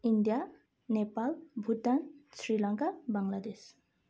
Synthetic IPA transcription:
indija | nepalbʱutansɹilaŋkabaŋlad̪es

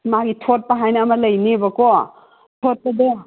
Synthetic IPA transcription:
maɡitʰot̚pɐɦajnɐːmɐlɐjnibɐko | tʰot̚pɐde

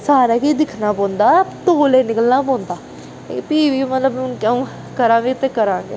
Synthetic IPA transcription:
saːɾaːkiːd̪ɪkʰnaːpɔ̃ːnd̪aːt̪oːleːnɪkəlnaːpɔ̃ːnd̪aː | kepiːʋiːmət̪ləb̃ʊnkaũː | kəɾãːʋiːt̪eːkəɾãːɡḛː

